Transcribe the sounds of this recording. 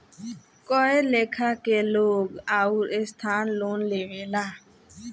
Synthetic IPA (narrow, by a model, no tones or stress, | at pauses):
kɔelekʰakeloːɡauɾest̪ʰaːnlonleʋela